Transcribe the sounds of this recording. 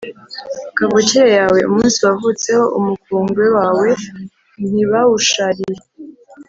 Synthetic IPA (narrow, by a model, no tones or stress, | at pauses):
kavociejaːwe̞ṵmuːnsiwavut͡se̞ho̞ʔumukuːŋɡwe̞waːwe̞ | n̥iβawuʃaɾije